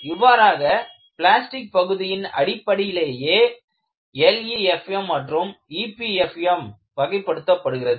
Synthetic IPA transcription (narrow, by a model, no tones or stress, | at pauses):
ɪʋaːɾaːɣɐ | pɪlaːsʈɪk̚pɐɣɯðɪjɪnɐ̰ɽɪpːɐɽɪjɪleːjeː | ɛliɛfɛmːɐʈrɯmipiɛfɛm | pɐɣɐɪpːɐɽɯt̪ːɐpːɐɽɯɣɪrɐðɯ